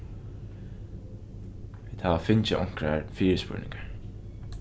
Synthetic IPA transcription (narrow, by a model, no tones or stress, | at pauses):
viːd̪haːʋafɪnt͡ɕɪʔɔŋ̥kɾaɹfiːɹɪspʏ̰ɹnɪ̰ŋkḁɹ